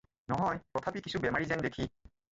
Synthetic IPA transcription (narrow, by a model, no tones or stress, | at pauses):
nɔɦɔjtɔt̪ʰapikisubɛmaɹizɛndekʰi